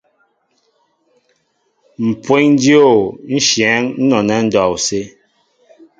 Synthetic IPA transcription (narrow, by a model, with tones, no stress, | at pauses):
m̩˨pwe˦ɲn˦di˦o˦˨n̩˦ʃjɛ˨˦ŋn̩˦nɔ˨nɛ˦n̩˦dɔ˨wse˦